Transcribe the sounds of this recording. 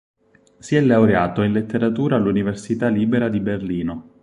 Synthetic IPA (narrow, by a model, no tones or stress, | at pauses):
siɛlːawɾeaːt̪oinlet̪ːeɾat̪uːɾaːlːuniversit̪aliːbeɾad̪iberliːno